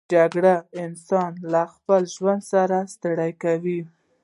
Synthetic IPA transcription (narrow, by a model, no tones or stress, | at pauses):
d͡ʒaɡɽaɪnsɑnlaxpəlʒwand̪saɾast̪aɽajkawi